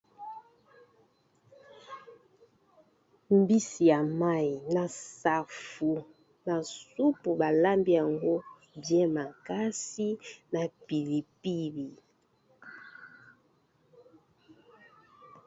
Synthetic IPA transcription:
m̩˦bi˦si˨ja˨ma˦i˨na˨sa˨fu˨ | na˨su˦pu˨ba˨la˦mbi˦ja˨ŋɡo˦ | bjɛ̃˦ma˨ka˦si˦na˨pi˨li˨pi˦bi˨

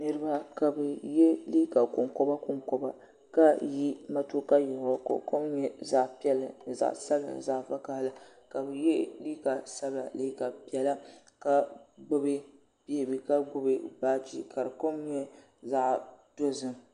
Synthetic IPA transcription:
nɨ˦ɾɨ˦ba˦ka˨bɛ˨jɛ˦liː˦ka˨kʊ˨ŋko˦ba˦kʊ˨ŋko˨ba˨ | ka˦ji˦ma˦to˦ka˦jɛ˨hʊ˨ko̰˨ko˦mɲɛ˦za˦ʔpi˦ɛ˦lɨ˨n˨za̰˨ʔsa˦la̰˨za˦ʔfa˦ka˦hla˦ | ka˨bɛ˨jɛ˦liː˦ka˨sa˦ba˨li˦ka˨pi˨ɛ˨la˦ | ka˦ɡ͡bʊ˦bɨ˦ | b̥e˦˨bɨ˨ka˦ɡ͡bʊ˦bɨ˦baː˦d͡ʒḭ˦ka˨ɾɨ˨ko˦mɲɛ˦ | za˦ʔd̥o˦zɨ˦m

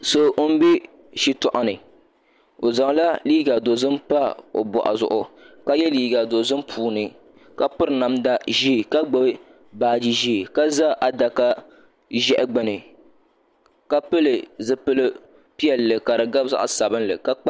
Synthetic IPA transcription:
so˨ʔo˦m̩˦bɛ˦ | ʃi˦tɔ˨ʔa˨nɨ˨ | o˨za˨ŋ˨˦la˦liː˦ɡa˨do˨zɨ˦mpa˦o̰˨bɔ̰˨ʔa̰˨zʊ̰˨ʔʊ˨ka˦jɛ˦liː˦ɡa˨do˨zɨ˦mpʰuː˦nɨ˨ | ka˦pɨ˦ɾna˨˦mda˦ʒi˦˨ka˦ɡ͡bɨ˦b | baː˨d͡ʒi˦ʒi˦˨ka˦za˦ʔa˨da˨ka˦ | ʒɛ˦ʔɪ˦ɡ͡bɛ˨nɨ˨ | ka˦pɨ˦lɨ˨zɨ˦pɨ˦lɨ˦ | pi˦ɛ˨lːɨ˨ka˨ɾɨ˨ɡa˦bza̰˦ʔsa˨bɨ˦n˦lɨ̰˨ka˦k͡p

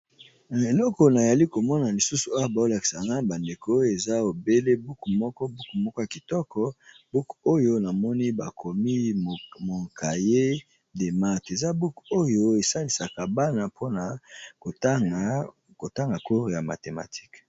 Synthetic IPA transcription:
e˨lɔ˦kɔ˨na˨za˨li˦ko˨mɔ˦na˨li˨su˦su˨a˦ja˨ba˨o˦la˨ki̥˨sa˨ŋɡa˦ba˨nde˨ko˦e˨za˦o˨be˦le˦bu˦kmɔ˦kɔ˦bu˦ku˨mɔ˦kɔ˦ja˨ki˨tɔ˦kɔ˨ | b̥u˦ko˦jo˦na˨mɔ˦ni˦ba˨kʰo˨mi˦˨mo˨ka˨je˦ | de˨ma˦te˨za˦bu˦ko˦jo˦e˨sa˦li˨sa˨ka˨ba˦na˨pʰo˦na˨˦ | ko˨ta˦ŋɡa˨ko˦˨ja˨ma̰˨te˨ma̰˨tʰi̥˦k

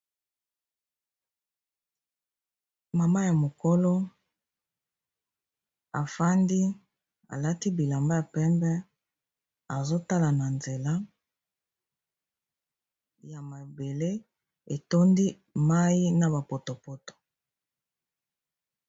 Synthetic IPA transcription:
ma˨ma˦ja˨mo˨ko˦lo˦ | a˨fa˦ndi˦ | a̰˨la˦ti˦bi˨la˨mba˦ja˨pɛ˦mbɛ˦ | a˨zo˦ta˦la˨na˨nze˨la˦ | ja˨ma˨be˨le˦ | e˨to˦ndi˦ | ma˦ji˦na˨ba˨po˨to˨po˦to̥˨

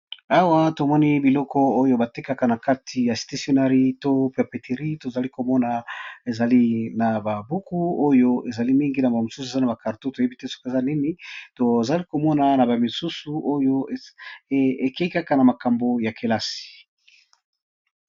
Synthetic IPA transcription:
a˦wa˦to˨mɔ˦ni˦bi˨lɔ˦kɔ˦o˦jo˦ba˨te˦ka˦ka˨na˨ka˦tʰi˨ja˨sta˨˦sjo˦na˦ʁi˦to˦pe˨pe˨tʰe˨ʁi˦to˨za˨li˦ko˨mɔ˦na˨e˨za˨li˦na˨ba˨bu˦ku˦o˦jo˦e˨za˨li˦mi˦ŋɡi˦na˨ba˨mo˨su˦sue˨za˦na˨ba˨ka˨ʁto˦to˨je˦bi˦te˦sɔ̥˦ke˨za˦ni˦ni˦to˨za˨li˦ko˨mɔ˦na˨na˨ba˨mi˨su˦su˨ʔo˦jo˦ | e˨ke˦i˦ka˦ka˨na˨ma˨ka˨mbo˨ja˨kʰe˨la˦si̥˨

